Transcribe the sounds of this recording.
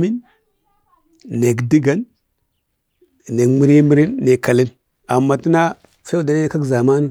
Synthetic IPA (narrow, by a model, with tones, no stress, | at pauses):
mi˦n | e˨ɡdi˦ɡa˦n | ne˨kmi˦ɾi˦mi˦ɾi˦nːe˨ka˨li˦n | a˨mːa˨ti˦na˦ | fe˦u˦˨da˨ne˦ka˦ɡza˨ma˦ni˦